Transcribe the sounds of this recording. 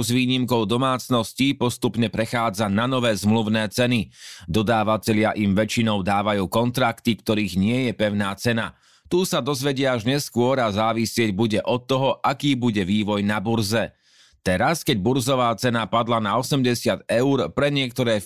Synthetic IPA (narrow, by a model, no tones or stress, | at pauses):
zʋiːɲimkɔʊd̪ɔmaːt͡snɔscipɔst̪upɲɛpɾɛxaːd͡zananɔʋɛːzmluʊnɛːt͡sɛnid̪ɔd̪aːʋacɛʎɪaʔimʋɛt͡ʃinɔʊd̪aːʋajuːkɔnt̪ɾakt̪ikt̪ɔɾiːɣɲɪɛjɛpɛʊnaːt͡sɛna | t̪uːsad̪ɔzʋɛɟɪaaʒɲɛskʊɔɾazaːʋisɪɛɟbuɟɛʔɔt̪ːɔɦɔʔakiːbuɟɛʋiːʋɔjnabuɾzɛ | t̪ɛɾaskɛɟ̚buɾzɔʋaːt͡sɛnapad̪lanaɔsɛmɟɛsɪad̪ɛʊɾpɾɛɲɪɛk̚t̪ɔɾɛː